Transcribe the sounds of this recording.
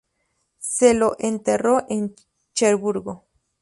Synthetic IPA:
seloʔent̪eroʔen | t͡ʃeɾbuɾɡo

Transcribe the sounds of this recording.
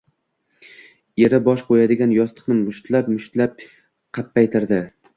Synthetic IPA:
eɾɪbɒʃqʰojad̪ɪɡʲanjɒst̪ʰɨ̥qnɪmʊʃt̪lapmʊʃt̪lap̚ | qʰɑpːajt̪ʰɪɾd̪ɪ

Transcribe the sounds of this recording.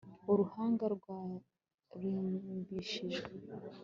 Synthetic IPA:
oɾuhaːŋɡaɾɡwaː | ɾiːmbiʃiʒɡe

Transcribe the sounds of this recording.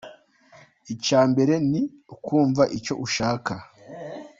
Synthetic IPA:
icaːmbe̞ɾe̞ni | ukuːɱvaʔico̞̰ʔuʃaːka

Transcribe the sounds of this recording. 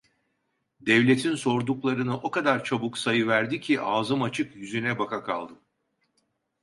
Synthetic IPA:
d̪ɛvlʲe̞t̪ʰinso̞ɾd̪uklˠaɾɯnɯʔo̞kad̪aɾt͡ʃʰabuksajɯvæɾd̪icʰiʔaːzɯmat͡ʃʰɯkjyzynɛbakʰakʰa̰lˠd̪ɯ

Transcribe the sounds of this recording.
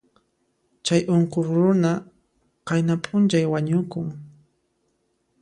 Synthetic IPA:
t͡ʃajʔoɴqoχɾʊna | qɑjnapʼʊnt͡ʃajwaɲʊkʊŋ

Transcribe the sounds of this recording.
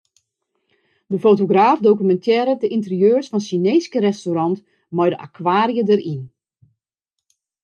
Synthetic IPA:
dəfotoɡraːfdoːkymɛntʰɛːɾədəʔintərjøːrsfɔnʃineːskərɛstoɾɑnt | mɔjdəʔa̰kʰwaːɾjədərin

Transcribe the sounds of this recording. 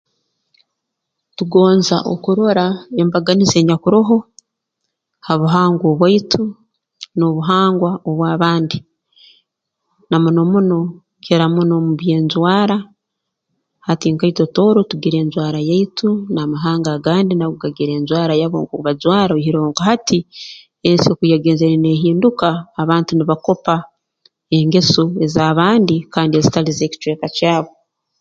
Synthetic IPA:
tuɡo̞ːnza̰ʔo̰kuɾo̞ɾae̞mbaɡanize̞ːɲakuɾoɦo̞ | haβuɦaːŋɡoβwaitʰu | no̞βuɦaːŋɡwaoβwaːβaːndi | namuno̞muno̞ | keɾamuno̞muβje̞ːnzwaːɾa | hatiŋkaito̞to̞ːɾotuɡiɾe̞ːnzwaːɾajaitunamaɦaːŋɡaɡaːndinaɡuɡaɡiɾe̞ːnzwaːɾajaβo̰ŋkouβazwaːɾaoɦiɾo̞ːŋɡahati | ensiokujaɡe̞ːnzeɾine̞ːɦiːndukaːβaːntuniβako̞pa | eŋɡe̞sue̞zaːβaːndikaːndie̞zitalize̞ːci̥t͡ʃweːkacaːβo̞

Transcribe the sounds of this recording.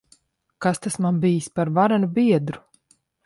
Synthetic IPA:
kast̪asmanbijispaɾvaɾanubiɛd̪ɾu

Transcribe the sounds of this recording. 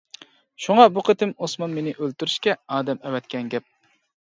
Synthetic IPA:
ʃuŋɑbuqʰət̪ɪmosmɑnmenɪʔølt̪yɾyʃkʲɛɑːd̪ɛmɛwɛt̪kʲʰɛnɡʲɛp̚

